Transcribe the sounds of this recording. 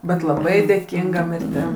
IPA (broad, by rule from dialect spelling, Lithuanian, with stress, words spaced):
bʲɛt lˠɐˈbɐɪ dʲeːˈkʲɪŋɡɐ mʲɪrʲˈtʲɪm